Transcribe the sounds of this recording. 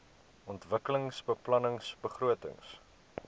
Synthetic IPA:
ʔɔntvəkələŋsbəplɐnəŋsbəχruətə̰ŋs

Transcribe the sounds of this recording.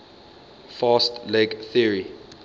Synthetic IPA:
fastlɛɡθiəɹi

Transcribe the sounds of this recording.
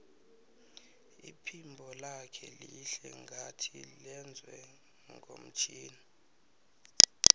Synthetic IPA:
ipʰimbʱɔlakʰɛliɬɛŋɡʱatʰilɛnd͡zʱwɛ | ŋɡʱo̰m̩t͡ʃʰiːni

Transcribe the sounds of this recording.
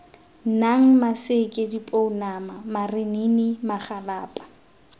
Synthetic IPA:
naŋ̩masɪkʼɪdipʼoʊnamamarɪninɪmaχalaːpʼḁ

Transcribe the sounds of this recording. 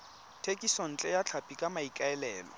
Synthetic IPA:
tʰekʼisɔn̩t͡ɬʼɛjat͡ɬʰapʼikʼamaikʼaɛlɛːlɔ̰

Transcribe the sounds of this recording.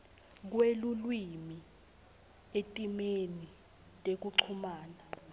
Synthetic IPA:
k̬welulwimi | etʼimeni | tʼek̬uǀʰumaːna

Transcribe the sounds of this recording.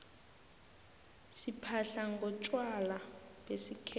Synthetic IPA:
sipʰaɬaŋɡʱɔt͡ʃʼwalabesikʰ

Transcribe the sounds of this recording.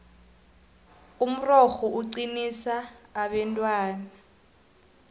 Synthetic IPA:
um̩rɔxɔuǀinisaːɓɛntʼwaːna

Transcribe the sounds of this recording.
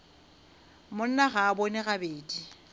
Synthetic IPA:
mʊn̩naɣaːbonɪɣabeːdi

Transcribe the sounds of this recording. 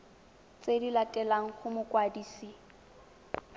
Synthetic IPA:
t͡sʼedilatʼɛlaŋ̩χʊmʊkʼwadiːsi

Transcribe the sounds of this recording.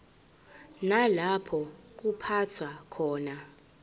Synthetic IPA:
nalapʰɔk̬upʰatʰwakʰɔːna

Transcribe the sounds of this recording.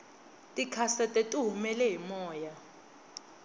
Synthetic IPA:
tʼikʰasɛtʼɛtʼuɦumɛlɛɦimɔːja

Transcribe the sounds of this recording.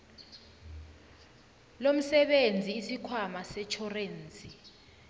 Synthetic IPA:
lom̩sɛɓend͡zʱiːsikʰwamasɛt͡ʃʰɔreːnt͡sʼi

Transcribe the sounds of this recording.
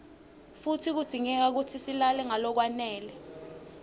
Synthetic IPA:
futʰik̬ud̥ʱiŋɛk̬ak̬utʰisilalɛŋalɔk̬wanɛːlɛ

